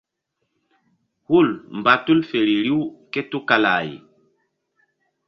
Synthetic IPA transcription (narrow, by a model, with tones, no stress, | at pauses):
hu˦˨lm̩˨ba˨tu˦lfe˨ɾi˨ɾi˦wke˦tu˦ka˨la˨j̰